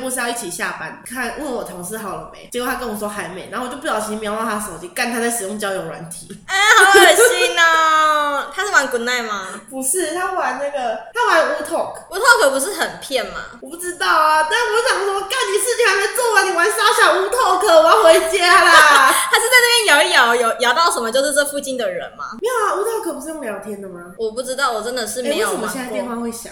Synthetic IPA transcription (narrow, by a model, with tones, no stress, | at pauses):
pu˥˧s̩˥jʊi˥˩t͡ɕʰi˨˩ɕja˥˨˩pa˦nkʰa˥˨nwwɔ˨˩t̪ʰo˧˥ŋʂɻ̩˥˧ɦɑ˨˩ʊlə̰˨˩mḛ˨˦t͡ɕjko˥˧˩t̪ʰa˥kə˧˦nwɔ˨˩ʂwɔ˥xa˧˦ɪme˧˥ɪna˨˩˥t͡ɕo˥˧ʊpu˥˩jɑ˨˩ʊt͡ɕʰi˧˥mjɑ˧ʊnɑ˥˧˩t̪a˥ʂo˨˦ʊt͡ɕi˥˧ka˥˩nt̪ʰa˥t͡sa˥˩ɪʂɻ̩˩jo˥ŋt͡ɕjɑ˧˥ʊjo˨˩ʊlwa̰˧˦nt̪ʰi˨˧˥ɛ˥˧hɑ˧˩˥i˥˩ŋə˧t̪ʰa˥ʂɻ̩˥˩wa˧˦nkʊ˧˥na˥˩ɪma˨˩pu˧˦ʂɻ̩˥˩t̪ʰa˥wa˧˦nna˥˩ɡə˩t̪ʰa˥wa˦njo˨˩u˧˥t̪ʰo˥˩ku˥t̪ʰo˥˩kʰə˨˩pu˧ʂ̬ɻ̩˥˩xə˨˩npʰjɛ˥˩nma̰˨˩wɔ˨˩pu˥˩ʈ͡ʂɻ̩˥t̪ɑ˥˩ʊa˩t̪a˥˩wɔ˨˩˥ɕjɑ˨˩ŋpu˥˩˥ɔ˥˧ka˥˩nni˧˩ʂɻ̩˥˩t͡ɕʰi˨˩ŋha˧˥me˥ɪt͡swɔ˥˩wa˧˥ni˨˩wa˧˥nsa˥ɕjɑ˨˩u˧˥t̪ʰo˥˩ʊkʰə˨˩wa˧˥˦ŋxwe˧˥˦ɪt͡ɕja˥lə˧˨˩a˧˥ɪʂɻ̩˥˧t͡sa˥ɪna˥˩pjɛ˥njɑ˨˩ʊ˥˩jɑ˨˦ʊjo˨˦ʊjɑ˨˦ʊt̪ɑ˥˩ʊʂə˨nmə˦t͡ɕjo˥˧ʊʂ̬ɻ̩˥˧ʈ͡ʂə˥˧fu˥˧t͡ɕi˥˩nd̪ə˨ɻə̰˨˧˦nma̰˨˦mi˦˥˩a˨˩u˧˥t̪ʰo˥˩ʊkʰɤ˨˩pu˧ʂɻ̩˥˩o˥˧ŋ˧ljt̪ʰjɛ˧˥nd̪ə˨ma˨wɔ˨˩pu˥˩ʈ͡ʂɻ̩˥t̪ɑ˥˩ʊwɔ˨˩ʈ͡ʂə˦nd̪ə˨ʂɻ̩˥˩me˥˧˥ɪjo˨˥˩ɕɛ˥˧˥tjwɑ˥˧ŋxwe˥˩ɪɕjɑ̰˨˦